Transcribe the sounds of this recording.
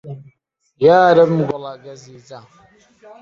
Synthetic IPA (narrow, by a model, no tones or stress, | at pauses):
jaːɾabm̩ɡʷɔlaɡaziːd͡za